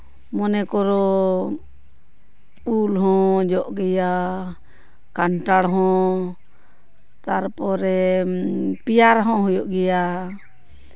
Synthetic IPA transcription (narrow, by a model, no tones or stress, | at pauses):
mɔnɛkɔɾɔ | ulɦɔ̃d͡ʒɔʔɡɛja | kaɳʈaɽɦɔ̃ | t̪aɾpɔɾɛ | pijaɾɦɔ̃ɦɔjɔʔɡɛja